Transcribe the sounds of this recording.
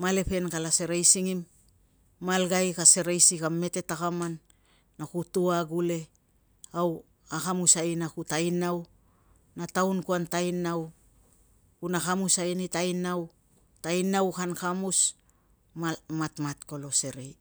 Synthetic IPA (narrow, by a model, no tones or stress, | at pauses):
male̞pe̞nkalase̞ɾajsiŋimː | alɡajkase̞ɾejsikame̞te̞takamanː | akutuaɡule̞ | aw | akamusajnakutajnaw | natawnkuantajnaw | kunakamusajnitajnaw | tajnawkankamus | mamatmatko̞lo̞se̞ɾej